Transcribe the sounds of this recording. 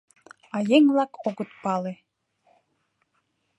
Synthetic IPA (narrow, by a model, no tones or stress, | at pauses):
ɑjeŋvlɑkʰoɣə̆t̪̚pɑle